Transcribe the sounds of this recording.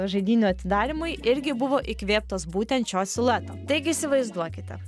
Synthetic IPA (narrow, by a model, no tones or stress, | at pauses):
ʒɐɪd̪ʲiːnʲuɐtt̪ʲɪd̪ɑːɾʲɪmʊɪɪɾʲɡʲɪbʊʋoːʔɪkʋʲeːp̚t̪oːsbuːt̪ʲɛnt̪t͡ʃʲoːsʲɪlˠɛt̪oːt̪ɐɪɡʲɪisʲɪʋɐɪzd̪uɔkʲɪt̪ʲɛ̰